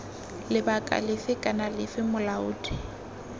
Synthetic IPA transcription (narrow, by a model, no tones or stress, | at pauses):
lɪbakʼa̰lɪfɪkʼanalɪfɪmʊlaʊːdʼɪ